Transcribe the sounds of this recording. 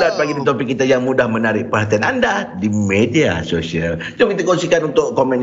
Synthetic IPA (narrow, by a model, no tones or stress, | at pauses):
lat̪̚paɡidit̪̬opɪkːit̪ajaŋmudahmənaɾɪʔpəɦat̪ianandadimedia̰sosial | d͡ʒʊmkit̪akonsikanunt̪ʊʔkomɛ̃n